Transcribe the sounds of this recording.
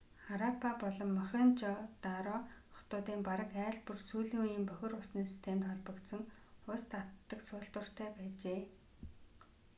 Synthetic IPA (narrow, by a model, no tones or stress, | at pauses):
χaɾapʰapɔɮɞ̆mːœχʲeːnt͡ɕɔt̪aɾɔχɔ̥t̪ʊːt̪iːmpaɾə̆kæːɮpursuːɮiːŋujiːmpœxʲɪ̆rʊsniːŋsi̥st̪ʰemt̪χɔɮpɞ̆kt̪sɞ̆ŋʊst̪at̪ːə̆ksʊːɬt̪ə̆r̥t̪ʰæːpæːt͡ɕeː